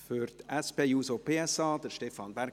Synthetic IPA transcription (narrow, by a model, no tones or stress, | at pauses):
fyɾtɛspeːjuːsopʰeːɛsɑːd̥̪əɾʃtɛfɑnbæɾ